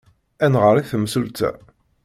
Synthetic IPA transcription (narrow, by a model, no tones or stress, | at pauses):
ænʁəɾˤiθəmsult̪ʰæ̰